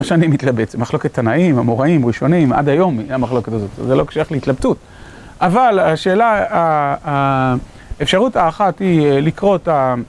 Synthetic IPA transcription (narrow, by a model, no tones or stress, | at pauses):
ʃanimit̪labet͡semaχlo̞ke̞t̪ʰːanaimamoʁaimʁiʃo̞nima̰dajo̞mamaχlo̞ketazot̪zelo̞kʃjaχleit̪labtut | ʔavalaʃe̞ːlaa | efʃaʁutaːχathilikʁo̞ta